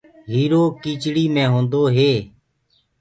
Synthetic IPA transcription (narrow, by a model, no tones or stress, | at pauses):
ɦiːɾoːkiːt͡ʃɽiːmẽːɦõːnd̪oːɦeː